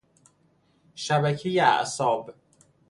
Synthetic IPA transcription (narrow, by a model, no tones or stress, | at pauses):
ʃæbæcʰejeæ̰ʔsɒːb